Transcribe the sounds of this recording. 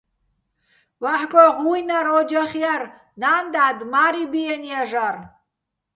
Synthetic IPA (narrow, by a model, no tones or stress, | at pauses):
vaħkʼɔʁujnaɾɔd͡ʒaχijaɾ | naːnd̪ad̪maɾibiɛnijaʒar